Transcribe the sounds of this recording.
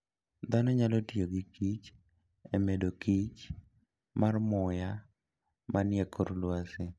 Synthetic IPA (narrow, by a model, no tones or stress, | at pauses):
d̪anɔɲalɔtioɡikit͡ʃ | emedokit͡ʃ | marmʊja | manɪjɛkʰoɾlwasɪ